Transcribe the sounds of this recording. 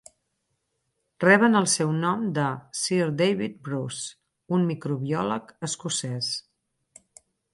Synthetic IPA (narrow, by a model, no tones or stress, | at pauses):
rɛβ̞ənəlˠsɛwnɔmd̪əsiɾd̪ejβit̪̚bɾus | unmikɾuβiɔləkəskusɛs